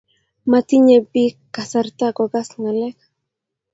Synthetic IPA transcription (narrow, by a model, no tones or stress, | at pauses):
mat̪iɲebikːasaɾt̪aɡoɡasŋalek